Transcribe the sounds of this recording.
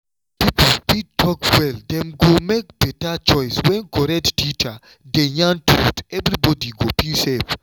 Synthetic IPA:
piplpid̚tʰɔkwɛld̪ɛ̃mɡomek̚b̥ɛtat͡ʃɔɪswɛ̃nɡɔɾɛdtit͡ʃa | dejãntutɛvɾibɔdiɡopisɛv

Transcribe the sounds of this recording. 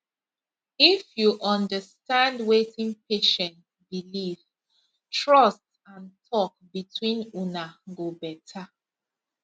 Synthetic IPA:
ifjuʔɔ̃ndəstãndwetĩŋpeʃɛ̃nt | biliv | tɹɔst | ãntʰɔk̚bitwĩnunaɡobɛtʰa

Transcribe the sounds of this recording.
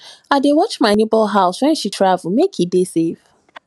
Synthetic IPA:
adewɔt͡ʃmaɪnebɔlɦaʊswɛ̃nʃitʰɹavl̩mekʰitdesef

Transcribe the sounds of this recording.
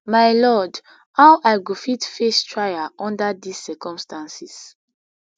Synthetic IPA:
majlɔd | hawʔajɡofitfestʰɹajaɔ̃ndadisːɛkɔ̃mstãnsis

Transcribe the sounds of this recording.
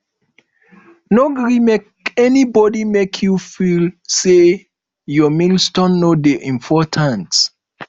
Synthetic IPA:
noɡɹimek | ɛnibɔdimekʰjufilse | jɔmilstɔ̃nːodeʔĩmpʰɔtʰãnt

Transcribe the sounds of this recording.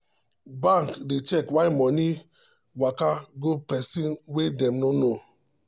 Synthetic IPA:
baŋkdet͡ʃɛkwajmɔni | wakaɡopɛsinwedɛmnono

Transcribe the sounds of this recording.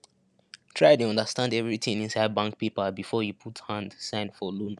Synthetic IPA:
tʰɹ̥aɪtuɔ̃ndəstãndɛvɹitĩŋĩnsaɪd̚bãŋk̚pipəbifɔjupʰuthãndsãɪ̃ndfɔlũn

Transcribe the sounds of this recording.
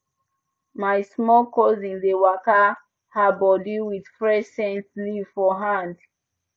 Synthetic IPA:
majsmɔlkɔzĩndewaka | habɔdiwidfɹɛsɛ̃ntlivfɔɦãnd

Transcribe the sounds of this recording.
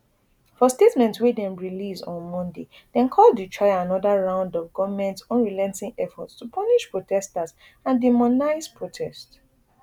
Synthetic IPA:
fɔstetmɛ̃ntwedɛ̃mɹilisɔ̰̃nmɔ̃nde | dɛ̃nkʰɔldutʰɹaɪaanɔdaɹãʊ̃ndɔvɡɔvamɛ̃ntsɔ̃nɹilɛ̃nsĩŋɛfɔtstupʰɔniʃpɹotʰɛstaz | ãndimɔnaɪzpɹotʰɛst

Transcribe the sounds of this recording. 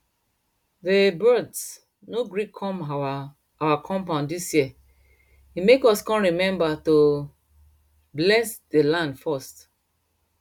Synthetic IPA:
ðebɜds | noɡɹikʰːɔ̃m | awakʰɔ̃mpãʊ̃ndisjiə | imekɔskɔ̃nɹimɛ̃mbato | blɛsd̥elãndfɔst

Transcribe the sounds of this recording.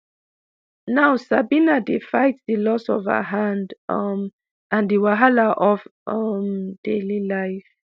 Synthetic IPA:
nawsabinadefajtsdilɔsɔva̰ɦãndm | ãndiwaɦalaʔɔvmd̥elilaɪf

